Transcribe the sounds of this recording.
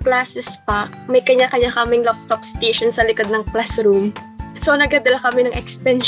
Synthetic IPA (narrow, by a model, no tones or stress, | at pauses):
plaːsɛspɐ | mɐjkɐɲakɐɲakɐmɪŋlap̚t̪op̚st̪ejʃonsɐlɪkod̪̚nɐŋplasɾum | sonɐɡ̚kɐd̪ɐlakɐmɛnɐŋʔɛkst̪ɛn